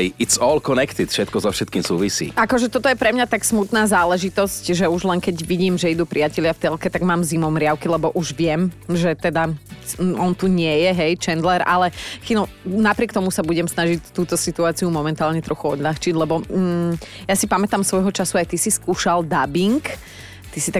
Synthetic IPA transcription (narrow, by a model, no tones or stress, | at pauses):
ɛɪitsɔːlkɔnɛkt̪ɪd̪fʃɛt̪̚kɔzɔfʃɛt̪kiːmsuːʋisḭːʔakɔʒɛt̪ɔt̪ɔjɛpɾɛmɲat̪aksmut̪naːzaːlɛʒit̪ɔscʒɛuʒlɛŋkɛɟʋiɟiːmʒɛid̪uːpɾʔiacɛʎɪaft̪ɛlkɛt̪aɡmaːmzimɔʊmɾɪaʊkilɛbɔʔuʒʋɪɛmʒɛt̪ɛd̪a | ɔnt̪uɲɪɛjɛɦɛjt͡ʃɛnd̪lɛɾalɛxilɔ | napɾɪɛkt̪ɔmusabuɟɛmsnaʒic̚t̪uːt̪ɔsit̪uaːt͡siumɔmɛnt̪aːlɲɛt̪ɾɔxuɔd̪ʎaxt͡ʃiɟlɛbɔ | jasipamɛt̪aːmsʋɔjɦɔt͡ʃasuajt̪isiskuːʃald̪abiŋk | t̪isit̪a